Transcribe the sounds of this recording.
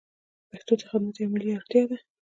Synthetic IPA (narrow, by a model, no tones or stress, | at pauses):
paxt̪ot͡sə̥xamat̪emɪliɑɾt̪jɑd̪a